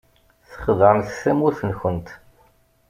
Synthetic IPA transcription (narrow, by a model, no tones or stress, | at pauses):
θə̥χðəɾmθsæmuθənçənt̪